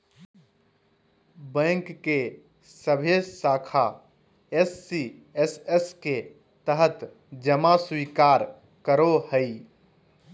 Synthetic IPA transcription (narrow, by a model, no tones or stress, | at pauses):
bə̃ŋkːe | səbʱessaːkʰa | esːieseske | t̪əɦət̪ | d͡ʒəmaswikaːɾ | kəɾohəi